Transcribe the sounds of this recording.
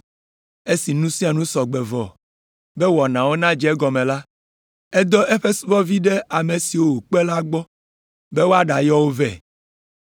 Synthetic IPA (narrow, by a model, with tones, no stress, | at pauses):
e˦si˨nũ˦sĩ˦a˨nũ˦sɔ˨ɡ͡be˨vɔ˨ | be˦wɔ˨nã˨wo˦nã˦d͡ʒɛ˦ɛ˦ɡɔ˨mẽ˨la˦ | e˦d̪ɔ˦ʔe˦ɸe˦su˦vɔ˦vi˦ɖe˦a˨me˨si˨wo˦wu˨k͡pe˦la˦ɡ͡bɔ˦ | be˦wo˦a˦ɖa˨jɔ˦wo˦vɛ˨